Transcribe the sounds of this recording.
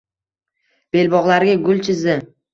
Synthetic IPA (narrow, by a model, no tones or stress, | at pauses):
b̥e̞lbɒʁlaɾɡʲaɡʊlˠt͡ʃʰɪzɪ